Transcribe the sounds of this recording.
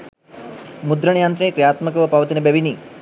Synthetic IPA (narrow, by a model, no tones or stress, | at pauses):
mud̪ɾɐɳjaːnt̪ɾekɾjaːt̪mɐkɐʋɐpɐʋɐt̪inɐbɐʋini